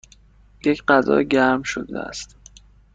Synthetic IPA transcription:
je̞cʰɢæzɒ̰ːɟæɾmʃo̰d̪ḛæ̰st̪

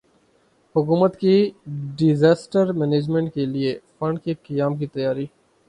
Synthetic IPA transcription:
hʊkuːmət̪kiɖɪzaːsʈəɾmɛːneːd͡ʒmẽːɳʈ̚keliefɐ̃ɳɖkekɐjaːmkit̪ɐjaːɾi

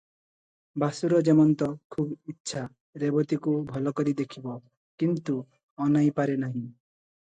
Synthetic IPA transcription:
basuɾɔd͡ʒemɔnt̪ɔkʰubitːʃʰa | ɾebɔt̪ikubʱɔlɔkɔɾid̪ekʰibɔ | kint̪u | ɔnajpaɾenaɦĩ

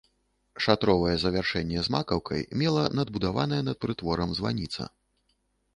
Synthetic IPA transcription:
ʂat̪ɾɔvɐjɛzɐvʲarʂɛnʲːɛzmakɐwkɐ̰jmʲɛlˠɐnɐd̪̚bud̪avanɐjɛnɐt̪̚pɾɨt̪vɔɾɐmzva̰nʲit̪sɐ̰

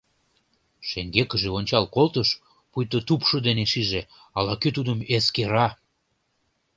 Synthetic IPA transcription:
ʃeŋɡekə̆ʒeonʲt͡ɕɑlkolt̪əʃ | pujt̪ot̪upʃɤd̪eneʃiʒe | ɑlɑkøt̪ud̪əmeskeɾɑ

